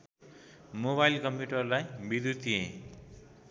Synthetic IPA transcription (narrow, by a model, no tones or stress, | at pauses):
moβajlkʌmpjuʈʌrlajbid̪ut̪ʰijḛ̃